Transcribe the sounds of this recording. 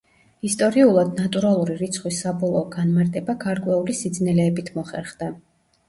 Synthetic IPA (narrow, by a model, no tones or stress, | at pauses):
ist̪ʼɔɾiulˠad̪nat̪ʼuɾalˠuɾiɾit̪sʰχwisːabɔlˠɔːɡanmaɾt̪ʼɛbaɡʰaɾkʼwɛulisid̪znɛlɛːbit̪ʰmɔχɛɾχd̪a